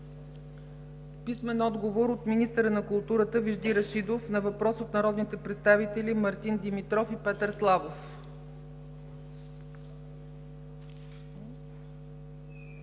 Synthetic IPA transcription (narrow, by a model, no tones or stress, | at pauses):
pismɛnɔd̪ɡovoɾot̪minist̪əɾənɐkulˠt̪uɾət̪əviʒd̪iɾɐʃid̪ofnɐvɐpɾɔsot̪nɐɾɔd̪nit̪ɛpɾɛt̪st̪avit̪ɛlʲimɐɾt̪ind̪imit̪ɾɔfipɛt̪əɾslˠavof